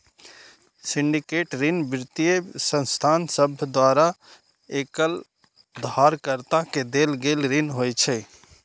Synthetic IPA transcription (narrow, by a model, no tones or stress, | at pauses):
siɳɖikeʈɾinbɾt̪ijesə̃nst̪ʰansəbʱd̪waɾa | ekəl | d̪aɾkəɾt̪aked̪elɡelɾinɦojt͡ʃʰɛ